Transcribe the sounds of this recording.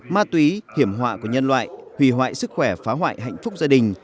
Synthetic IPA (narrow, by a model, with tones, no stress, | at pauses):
maː˧t̪wi˨˦hi˧˩əmɦwa̰ː˧˨ku˧˩ɲə˧nlwa̰ː˧˨jhwḭ˧˩ɦwa̰ː˧˨jsɨ˦˥k̚xwɛ˧˩faː˨˦ɦwa̰ː˧˨jɦa̰˧˨jŋ̟fʊ˦˥k͡p̚zaː˧ɗï˨˩ŋ̟